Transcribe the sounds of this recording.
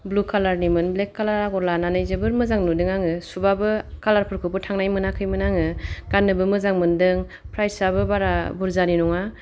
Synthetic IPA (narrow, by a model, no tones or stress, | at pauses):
blukʰalaɾnimɯnblekːalaɾaɡɔɾlananɯjzɯbɯɾmɯzaŋnudɯŋaŋɯsubabɯkalaɾpʰɯɾkʰɯpɯtʰaŋnajmɯnakʰɯjmɯnaŋɯɡ̥anːɯbɯmɯzaŋmɯndɯŋ | pʰɾajsabɯbaɾabuɾzaninɔŋa